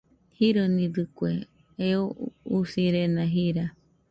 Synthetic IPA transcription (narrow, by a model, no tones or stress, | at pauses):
hiɾonĩdɨkwe | eousiɾenãɦiɾa